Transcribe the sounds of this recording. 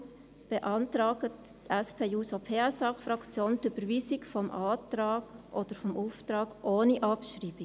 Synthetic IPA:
b̥ɛʔɑntɾɑːɡət | tɛspʰeːjuːsopʰeːsɑχfɾɑkt͡sjoːntyb̥əɾʋiːsikfɔmʔɑːtɾɑːɡ̥ʔɔd̥əɾfɔmuftɾɑːɡʔoːniʔɑpʃriːb̥i

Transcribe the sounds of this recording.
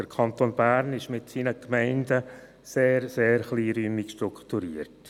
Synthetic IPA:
d̥əɾkʰɑnt̪oːnb̥æːɾnɪʃmɪtsiːnəkmɛɪndə | seːɾseːɾχliːɾyːmikʃtɾukχtuɾiːəɾt

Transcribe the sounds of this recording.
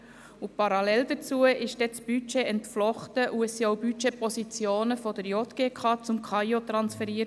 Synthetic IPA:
ʊpɑɾɑlɛld̥ət͡suəʔɪʃd̥ɛt͡sb̥yt͡ʃeɛntflɔχtəʔuɛsiɔʊbyt͡ʃepɔsit͡sjoːnəfɔd̥əɾjot̪ɡ̥eːkʰɑːt͡sʊmkʰɑjotɾɑnsfɛɾiəɾ

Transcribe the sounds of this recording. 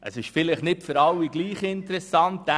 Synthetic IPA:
ʔə̰sɪʃfɪlɪχnɪtfʏɾɑwːiɡliːχɪntəɾɛsɑnt̪æ

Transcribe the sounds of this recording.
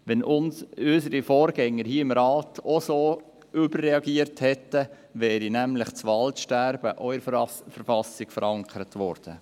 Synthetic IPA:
ʋɛnʔʊnsʏsəɾifɔːɾɡɛŋːəɾhiːɪmɾɑːtʰosoː | ʏbərːɛɑɡiːəɾthɛtːə | ʋɛːɾinæmlɪχt͡sʋɑltʃtæɾbəʔœʏəfəɾfɑsɪɡ̥fəɾɑŋkʰəɾət̪ʋɔ̰ːɾd̥ə

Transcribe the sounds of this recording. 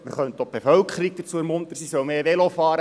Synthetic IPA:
məɾχœnt̪ob̥efœlkʰəɾik̚d̥əɾt͡suəɛɾmʊnt̪əɾsisœlmeːʋelofɑːɾə

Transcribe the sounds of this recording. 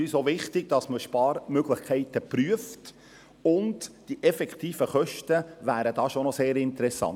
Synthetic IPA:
yːsoʋɪχtɪɡ̥̚d̥ɑsməʃpɑːɾmøɡlɪχkʰɛɪtəpɾyəft | ʊntd̥iʔɛfɛktiːfəχœʃtəʋæːɾədɑːʃonɔseːɾɪntəɾɛsːɑ̰n

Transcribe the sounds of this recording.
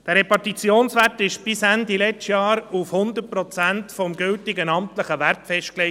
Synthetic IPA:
d̥ɛːɾɛpɑrtit͡sjoːnsʋætɪʃb̥ɪsændilɛt͡ʃtjɑːɾufhʊnd̪ət̚pɾɔt͡sæntfɔmɡʏltɪɡənɑmtləχəʋæɾtfɛʃt̚kle

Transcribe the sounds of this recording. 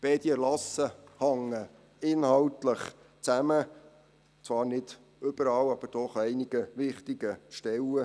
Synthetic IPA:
b̥eːd̪iəlɑsəhɑŋːə | ɪnhɑltləχ | t͡sæmə | t͡svɑːɾnɪd̥ | ʏb̥əɾɑwɑb̥əɾd̥ɔχɛɪniɡ̥əʋɪχt̪iɡ̥əʃtɛlə

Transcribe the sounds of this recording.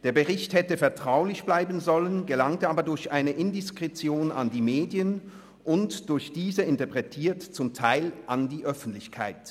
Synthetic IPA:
d̥eːɐbəʁɪçthɛtəfɛɐtʁ̥aʊlɪçb̥laɪbn̩zɔlənɡəlaŋtəʔaːbɐdʊɐçʔaɪnəʔɪndɪskʁ̥ɛt͡sjoːna̰ndiːmeːdjən | ʔʊntd̥ʊɐçd̥iːzəɪntɐpʁ̥ɛtʰiːɐtt͡sʊmtʰaɪlʔandiːʔœfn̩tlɪçkʰa̰ɪt

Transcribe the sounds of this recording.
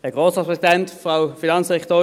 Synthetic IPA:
hɛɐɡ̥ʁoːsʁɑtpʰʁɛsidɛntfʁawfinɑnsd̥ɛkt̪oː

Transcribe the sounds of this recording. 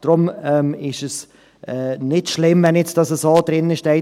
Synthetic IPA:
d̥ɾʊmɛmɪʃəs | ʔɛnɪtʃlɪmvɛnjɛt͡sd̥ɑsəsoːd̥ɾɪnəɪʃtɛɪ

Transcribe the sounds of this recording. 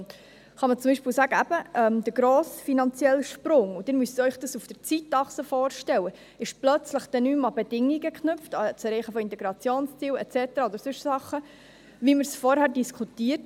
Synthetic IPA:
χɑmət͡sʊmbiʃpiːlsæːɡəæb̥əʔɛmd̪əɾɡɾoːsfinɑnt͡sjɛlʃpɾʊŋud̥̪ɪnmyst̪œʏχd̥̪əsufd̥əɾt͡sitɑχsəfɔːɾʃtɛlwə | ɪʃplœt͡sləχd̥̪ɛnyːmɑbɛdɪŋːiɡəkχnʏpft̪ɑt͡sɛɾɛɪχəfɔɪntɛɡɾɑt͡sjoːnst͡siːlɛt͡sɛt̪əɾɑɔd̪əɾsʉʃsɑχə | viməɾsfɔɾhæɾdiskʰut̪iːəɾt

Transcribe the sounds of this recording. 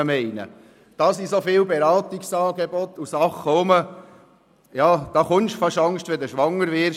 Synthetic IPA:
əmɛɪnə̰ | d̥ɑːsisofɪːlbeɾɑːt̪iksɑːɡebɔt̪ːusɑχːəʊmə | jɑːd̥̪ɑχʊnʃfɑʃɑŋstʋɛd̪əʃʋɑŋːəɾʋɪːɾ

